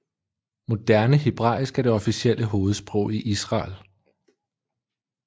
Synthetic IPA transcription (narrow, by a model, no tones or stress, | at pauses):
mo̝d̥æɐnəɦeb̥ʁɑ̈isɡ̥æɐd̥e̝ɒ̽fisiel̰əɦo̝ːð̞̩ˠsb̥ʁɔʊ̰iʔisʁɑ̈ːl